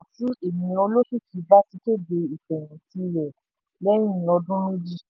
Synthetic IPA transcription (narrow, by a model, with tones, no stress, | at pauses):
a˨tũ˦e˨mĩ˧ɔ˧lo˦ʃu˦˨kʰi˨˦ba˦ti˧te˦be˧i˨k͡pɛ˨ɾ̃ĩ˨ti˧ɾɛ˨ | lɛ˦j̃ĩ˦ɔ˧dũ˦ɾo˦d͡ʒi˦˨